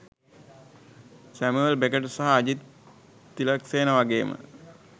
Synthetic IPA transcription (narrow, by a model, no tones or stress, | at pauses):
sæmuelbekəʈsaɦaːd͡ʑit̪ː | ilɐkseːnəʋaɡeːmə̰